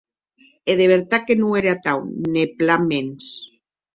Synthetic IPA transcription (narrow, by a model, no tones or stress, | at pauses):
eðeβeɾt̪akenueɾeat̪awneplamens